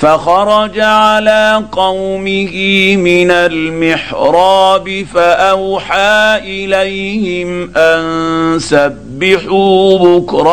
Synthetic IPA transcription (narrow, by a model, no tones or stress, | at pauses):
faxɑɾˤɑd͡ʒaʕalaːqɑwmɪhɪmɪnalmɪħɾˤɑːbɪfaʔawħaːʔɪlajhɪmʔansabːɪħuːbʊkɾˤɑ